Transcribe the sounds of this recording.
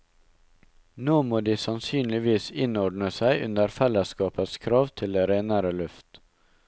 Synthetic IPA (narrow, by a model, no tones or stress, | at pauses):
noːmoːd̪iːsɑnsyːnlɪʋiːsɪnɔɖɳəsæɪʔʉ̰nd̪əɾfɛlːəskɑːpət̪skʰɾɑːʋt̪ʰɪld̪eːɾeːnəɾəlʉft̪